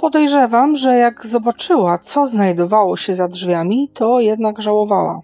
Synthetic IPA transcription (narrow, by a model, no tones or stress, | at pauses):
pɔd̪ɛjʐɛvamʐɛjaɡzɔbat͡ʂɘwat̪sɔznajd̪ɔvawɔɕɛzadʐvʲamʲit̪ɔjɛd̪naɡʐawɔvawa̰